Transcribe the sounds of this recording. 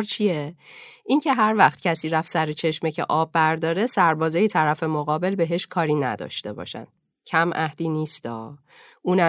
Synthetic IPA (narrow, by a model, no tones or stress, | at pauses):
ɾt͡ʃʰieʔiŋcʰe̞ɦæɾvæχt̪̚cʰæsiːɾæfsæɾet͡ʃʰe̞ʃmecʰe̞̰ʔɒːbːæɾd̪ɒːɾe̞sæɾbɒːzɒːjet̪ʰæɾæfe̞moɣɒːbe̞lbe̞ɦe̞ʃkʰɒːɾiːnæ̰d̪ɒ̰ːʃt̪e̞̰bɒ̰ːʃæ̰n | cʰæmʔæhd̪iːniːst̪ɒː | ʔuːnæ